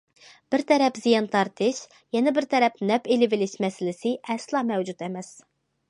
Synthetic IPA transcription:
b̥ɪɾt̪ʰɛɾɛpzijɑnt̪ʰɑɾt̪ʰɨʃ | jɛnɛbɪɾt̪ʰɛɾɛpnɛpelɪvɪlɪʃmɛsɪlɪsɪʔɛslˠɑːmɛwd͡ʒut̪ɛmɛs

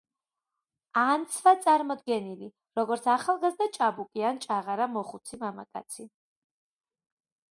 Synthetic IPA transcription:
ant̪sʰvat̪sʼaɾmɔd̪ɡɛnili | ɾɔɡɔɾt̪sʰaχalˠɡazd̪at͡ʃʼabukʼiant͡ʃʼaʁaɾamɔχut̪sʰimama̰kʼa̰t̪sʰi

